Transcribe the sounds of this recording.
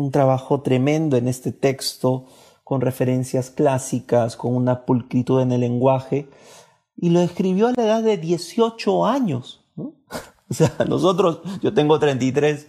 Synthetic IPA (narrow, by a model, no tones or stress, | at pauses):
unt̪ɾaβaxo̞t̪ɾe̞mẽ̞nd̪oe̞ne̞st̪e̞t̪e̞kst̪o̞ | ko̞nre̞fe̞ɾe̞nsjasklasikasko̞nunapulkɾit̪uðe̞ne̞lːe̞ŋɡwaxe̞ | ilo̞ðeskɾiβ̞jo̞alaeðaðːe̞ðje̞sjo̞t͡ʃo̞aɲo̞s | no | oseano̰so̞t̪̬ɾo̞sʝo̞t̪e̞ŋɡo̞t̪ɾent̪ijt̪ɾe̞s